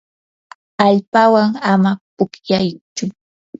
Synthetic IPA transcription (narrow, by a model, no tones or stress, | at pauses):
aʎpawaŋamapʊkjajt͡ʃʊ